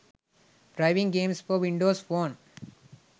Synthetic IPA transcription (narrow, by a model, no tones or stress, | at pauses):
ɖɾaɪʋɪ̃ŋɡẽːmsfɔʋɪ̃ɳɖoːsfoːn